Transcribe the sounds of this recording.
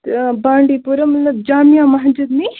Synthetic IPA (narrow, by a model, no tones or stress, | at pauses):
baːɳɖiːpuɾɐmnɐd͡ʒaːmijãːmɐɦd͡ʒud̪ni